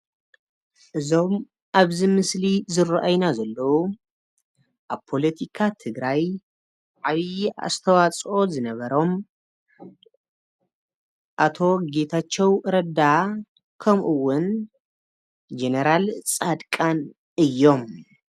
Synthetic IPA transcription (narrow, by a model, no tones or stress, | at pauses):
ʔɨzo̞m | ʔaβzimɨslizɨrʔajnazɐlːɐwu | ʔaβpʰo̞let̪ʰikʰat̪ʰɨɡɾaj | ʕaβia̰st̪ʰɐwat͡sʼo̞zɨnɐβɐɾo̞m | ʔat̪ʰo̞ɡe̞t̪ʰat͡ʃːɛwʔɨɾɐd̪a | kʰɐmʔɨwːʊn | d͡ʒenɐɾalt͡sʼad̪kʼan | ɨjːo̞m